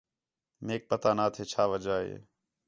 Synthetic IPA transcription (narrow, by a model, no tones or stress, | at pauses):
meːk̚pət̪aːnaːt̪ʰeːt͡ʃʰaːʋəd͡ʒaːɦḛː